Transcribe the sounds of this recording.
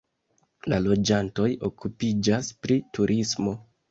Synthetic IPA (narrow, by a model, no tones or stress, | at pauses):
lalo̞d͡ʒanto̞jo̞kupid͡ʒaspɾituɾʔismo̞